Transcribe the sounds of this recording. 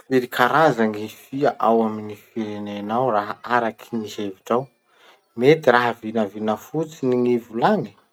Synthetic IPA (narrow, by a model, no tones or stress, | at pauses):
feɾikʰaɾazaŋifiaʔawaminifiɾenenawraɦaaɾakʰi̥niɦeviʈ͡ʂaw | met̪iraɦəvinəvinəfut͡siniŋivulaŋi̥